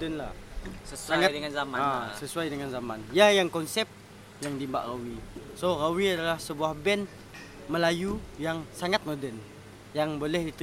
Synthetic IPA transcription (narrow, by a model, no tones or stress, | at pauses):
dənla̰səssaŋadəŋanzamaasəsuajdəŋanzamanjajaŋkɔnsɛp̚ | jaŋdimba̰ʔrawisorawiadalahsəbuahbɛn | məlajujaŋsaŋat̪̚modɛn | jaŋbolɛhdit̪